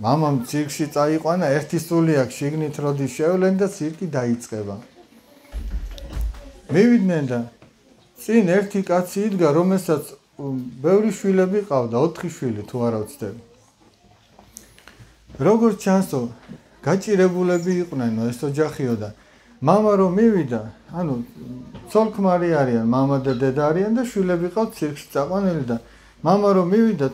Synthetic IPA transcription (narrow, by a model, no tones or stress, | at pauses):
mamamt̪sʰiɾkʰʃit̪sʼaiqʼwanaɛɾt̪ʰisuliakʰʃiɡnit̪ʰɾɔd̪iʃɛvlɛnd̪at̪sʰiɾkʼid̪ait̪sʼqʼɛba | mivid̪nɛnd̪a | t̪sʼinɛɾt̪ʰikʼat̪sʰiːd̪ɡaɾɔmɛlsat̪sʰ | bɛvɾiʃwilɛbiqʼavd̪aɔt̪ʰχiʃwilit̪ʰuaɾat̪sʰd̪ɛbi | ɾɔɡɔɾt͡ʃʰansɔ | ɡ̥at͡ʃʼiɾɛbulɛbiːqʼwnɛnɔɛsɔd͡ʒaχiɔd̪a | mamaɾɔmiwid̪aːnut̪sʰɔlˠkʰmaɾiaɾianmamad̪ɛd̪ɛd̪aɾiand̪aʃwilɛbiqʼavt̪sʰiɾkʰʃi̥t̪ʼaqʼwanilid̪a | mamaɾɔmivid̪a